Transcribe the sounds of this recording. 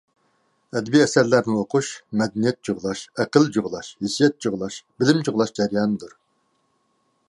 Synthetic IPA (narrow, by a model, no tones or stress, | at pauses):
ɛd̪biɛsæɾlæɾnɪoqʰuʃmɛd̪ɛnijɛt̪̚d͡ʒoʁlˠɑʃɛqəld͡ʒoʁlˠɑʃhisijɛt̪̚d͡ʒoʁlˠɑʃbɪlɪmt͡ʃʰʊʁlˠɑʃd͡ʒɛɾjɑːnɨd̪uɾ